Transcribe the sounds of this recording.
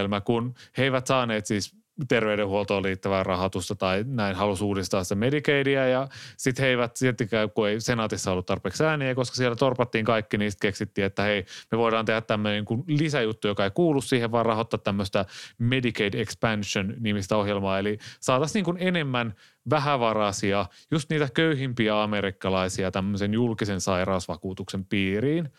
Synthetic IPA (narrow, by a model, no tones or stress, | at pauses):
lmækunheiʋæt̪sɑːneːt̪siːs | t̪erʋeydehuolt̪oːliːt̪ːæʋæːrɑhot̪ust̪ɑt̪ɑinæinhɑlusuːdist̪ɑːnsi̥t̪æmedikeidiæjɑsit̪heiʋæt̪siet̪ːikækueisenɑːt̪isːɑolːut̪t̪ɑrpeːksæːniækoskɑ̥sielːæt̪orpɑt̪ːiːŋkɑikːiniːst̪keksit̪ːiːet̪ːæheimeʋoidɑːnehæt̪t̪æmːøneiŋkunlisæjut̪ːujokɑeikuːlːussiːheʋʋɑːrɑhot̪ːɑt̪t̪æmːøst̪æmedikeidekspænʃonnimist̪æohjelmɑːelisɑːt̪ɑsniːŋkunenemːæn | ʋæhæʋɑrɑsiɑjust̪niːt̪ækøyhimpiæɑmeɾikːɑlɑisiɑt̪æmːøsenjulkisensɑirɑusʋɑkuːt̪uksempiːriːn